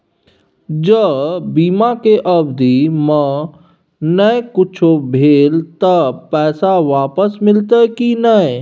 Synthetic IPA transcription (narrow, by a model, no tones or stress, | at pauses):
d͡ʒəbiːmãkeʔəbd̪imə̃ | nəekʊt͡ʃʰobʱeːlt̪əpɛːsaʋaːpəsmɪlt̪əkinə